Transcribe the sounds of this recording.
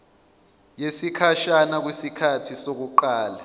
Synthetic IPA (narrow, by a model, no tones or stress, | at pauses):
jesikʰaʃanak̬wisikʰatʰisok̬uǃaːla